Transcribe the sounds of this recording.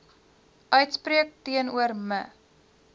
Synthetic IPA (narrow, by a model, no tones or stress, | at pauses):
ʔœɥtspriək̚tiənuərmə